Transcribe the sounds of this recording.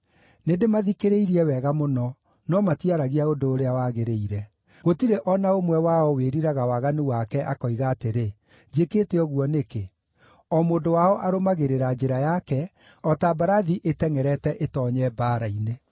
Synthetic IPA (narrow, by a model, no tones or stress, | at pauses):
nendemaðikeɾeiɾiɛwɛɣamonɔ | nɔmatiaɾaɣiaodoːɾeawaɣeɾeiɾɛ | ɣotiɾeʔɔnaomwɛwaɔweɾiɾaɣawaɣanuwakɛʔakɔiɣaːteɾe | d͡ʒeketeɔɣuɔneke | ɔmoːndowaɔʔaɾomaɣeɾeɾad͡ʑeɾajakɛ | ɔtabaɾaðiʔetɛŋɛɾɛtɛʔetɔɲɛbaːɾaine